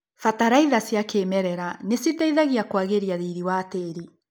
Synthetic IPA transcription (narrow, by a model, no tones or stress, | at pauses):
fataɾaiðasjakeːmɛɾɛɾanesitaiðaɣiakwaɣeɾiaðiɾiwateːɾi